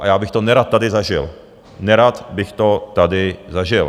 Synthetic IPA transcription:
ʔa̰jaːbɪxt̪ɔnɛɾat̪ːad̪ɪzaʒɪ̰l | nɛɾat̪bɪxt̪ot̪ad̪ɪzaʒɪl

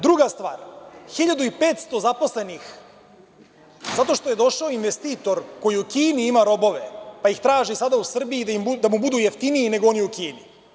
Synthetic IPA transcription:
d̪ɾuɡast̪ʋa̰ːɾxiʎad̪uipeːt̪st̪o̞zapo̞sle̞nix | zat̪o̞ʃt̪o̞je̞d̪o̞ʃaoinʋest̪iːt̪o̞ɾkojiukiːniimaɾo̞bo̞ʋe̞paixt̪ɾaːʒisad̪ausr̩bijid̪imud̪amubud̪uːjeft̪iniine̞ɡo̞o̞nijukiːni

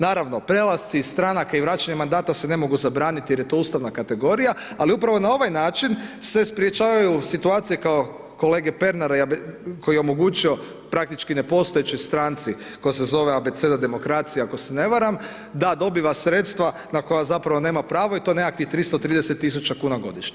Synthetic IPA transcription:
naːɾaʋno̞pɾe̞lˠast̪sist̪ɾanakaiʋɾaːt͡ʃaɲe̞mand̪aːt̪ase̞ne̞mo̞ɡuzabɾaːnit̪ije̞ɾje̞t̪o̞uːst̪aʋnakat̪e̞ɡo̞ɾija | aliupɾaʋo̞nao̞ʋajnaːt͡ʃinsespɾjet͡ʃaːʋajusit̪uaːt̪sije̞kao̞ | ko̞le̞ːɡepe̞ɾnaɾakʰo̞jieomo̞ɡuːt͡ʃio̞ | pɾak̚t̪it͡ʃkine̞po̞st̪o̞et͡ʃojst̪ɾaːnt̪si | ko̞jsezo̞ʋeabet̪se̞d̪ad̪e̞mo̞kɾaːt̪sijeako̞sene̞ʋaɾam | d̪ad̪o̞biʋasɾet̪st̪ʋanako̞jazapɾaʋo̞ne̞ːmapɾaːʋoit̪o̞ne̞kakʋixt̪ɾist̪ot̪ɾiːd̪eset̪ːis̬ut͡ʃakuːnaɡo̞̰d̪iʃɲe

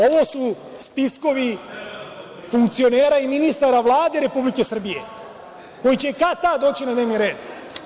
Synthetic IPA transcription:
o̞ʋo̞su | spisko̞ʋi | fuŋkt̪sio̞neːɾaiminist̪aɾaʋlˠaːd̪e̞ɾe̞publike̞sr̩bije̞̰ | ko̞jit͡ɕe̞kat̪ad̪o̞ːt͡ɕinad̪ne̞ːʋniɾe̞ːd̪

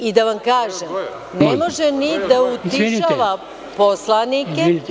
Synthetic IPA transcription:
id̪aʋamkaːʒem | nemo̞ʒenid̪aut̪iʃaʋa | poslanike

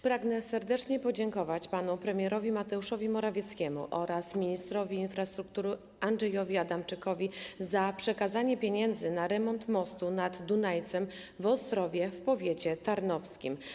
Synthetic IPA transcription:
pɾaɡnɛsɛɾd̪ɛt͡ʂɲɛpɔd͡ʑɛŋkɔvat͡ɕpanupɾɛmʲjɛɾɔvʲimat̪ɛuʂɔvʲimɔɾavʲjɛt̪skʲɛmṵʔɔɾasmʲiɲist̪ɾɔvʲiːnfɾast̪ɾuk̚t̪uɾɘ | anʐɛjɔvʲiad̪amt͡ʂɘkɔvʲizapʂɛkazaɲɛpʲeɲɛnd̪zɘnaɾɛmɔnt̪mɔst̪unad̪ːunajt̪sɛm | vɔst̪ɾɔvʲjɛfpɔvʲjet͡ɕɛt̪aɾnɔfskʲḭm

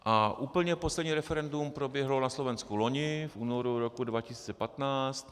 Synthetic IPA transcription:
ʔaʔuːpl̩ɲɛposlɛdɲiːɾɛfɛɾɛndumpɾo̞bjɛɦlo̞naslo̞vɛnskuloɲɪfʔuːnoɾuɾokudvacɪsiːt͡sɛpat̪naːst̪

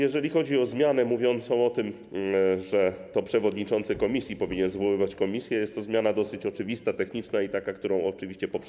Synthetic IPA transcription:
jɛʐɛlʲixɔd͡ʑiɔzmʲjanɛmuvʲjɔnt̪sɔ̃w̃ɔt̪ɘm | ʐɛt̪ɔpʂɛvɔd̪ɲit͡ʂɔnt̪sɘkɔmʲisʲjipɔvʲiɲɛnzvɔwɘvat͡ɕkɔmʲisʲjɛjɛst̪ːɔzmjanad̪ɔsɘt͡ɕɔt͡ʂɘvʲist̪at̪ɛxɲit͡ʂnait̪akak̚t̪uɾɔ̃w̃ɔt͡ʂɘviɕt͡ɕɛpɔpʂ

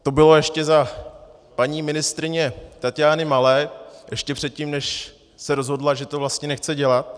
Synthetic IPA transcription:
t̪o̞bɪlo̞jɛʃcɛza | paɲiːmɪnɪst̪ɾɪɲɛt̪acɪjaːnɪmalɛːʔɛʃcɛpr̝̥ɛt̪̚cimnɛʃ | sɛɾo̞zɦo̞dlaʒɛt̪o̞vlast̪ɲɛnɛxt͡sɛɟɛlat̪̚

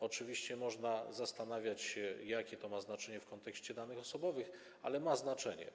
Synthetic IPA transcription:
ɔt͡ʂɘvʲiɕt͡ɕɛmɔʐnazast̪an̪avʲjat͡ɕɕɛjakʲɛt̪ɔmaznat͡ʂɛɲɛfkɔnt̪ɛkɕt͡ɕɛd̪anɘxɔsɔbɔvɘx | a̰lɛmaznat͡ʂɛɲɛ̰

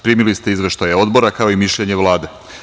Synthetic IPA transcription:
pɾiːmilist̪e̞izʋeʃt̪ajao̞d̪bo̞ɾakao̞imiʃʎe̞ɲe̞ʋlˠaːd̪e

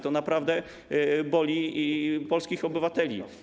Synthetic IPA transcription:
t̪ɔnapɾavd̪ɛ | bɔlʲiipɔlskʲixɔbɘvat̪ɛlʲḭ

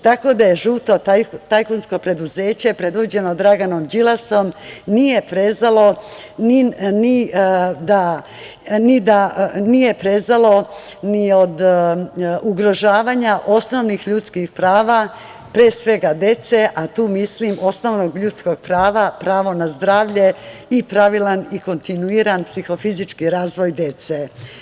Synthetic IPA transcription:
t̪ako̞d̪aje̞ʒuːt̪o̞t̪ajkonsko̞pɾe̞d̪uze̞ːt͡ɕe̞pɾe̞d̪ʋod͡ʑe̞no̞d̪ɾaɡano̞md͡ʑilaso̞mnije̞pɾe̞zalo̞ | ninid̪a | nid̪anije̞pɾe̞zalo̞ | niod̪ | uɡɾo̞ʒaːʋaːɲaʔo̞sno̞ʋnixʎut̪skixpɾaːʋa | pɾeːsʋe̞ɡad̪e̞t̪se̞ʔat̪uːmislimʔo̞sno̞ʋnoɡʎuːt̪sko̞ɡ̥̚pɾaːʋapɾaːʋo̞nazd̪ɾaːʋʎe̞ipɾaʋilaniko̞nt̪inuiːɾanpsixo̞fizit͡ʃkiɾaːzʋo̞jd̪e̞t̪se

